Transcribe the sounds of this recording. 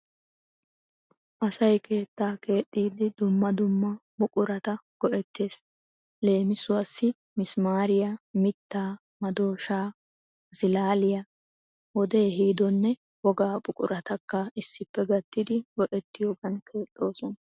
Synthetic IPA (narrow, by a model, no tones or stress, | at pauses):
ʔɐsɐjkʰe̞ːt̪ːaːke̞ːt̪ʼːiːd̪ɪd̪ʊmːɐd̪ʊmːɐbʊkʼʊɾɐt̪ɐɡ̥ɔʔɛt̪ːe̞ːs | le̞ːmɪsʊwasːɪ | mɪsmaːɾɪjɐmɪt̪ːaː | mɐd̪o̞ːʃaː | z̥ɪlaːlɪjɐ | wɔd̪eːɦiːd̪ɔnːɛ | wɔɡaːbʊkʼʊ̰ɾʔɐt̪ɐkːɐɪsːɪpːɛɡɐt̪ːɪd̪ɪɡɔʔɛt̪ːɪjoːɡɐnkʰe̞ːt̪ʼːo̞ːsɔnɐ